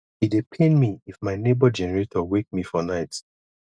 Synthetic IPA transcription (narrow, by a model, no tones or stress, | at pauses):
hidepʰẽnmiifmaɪnebɔd͡ʒɛnɛɹetʰɔwek̚mifɔnaɪt